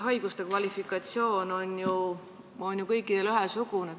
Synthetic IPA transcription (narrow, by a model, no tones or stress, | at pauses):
ɦɑjɡ̥ust̪e̞kvɑlʲifikːˑɑt̪sio̞ːno̞nju | o̞nʲjukɤjkːˑid̪̥elyɦesukune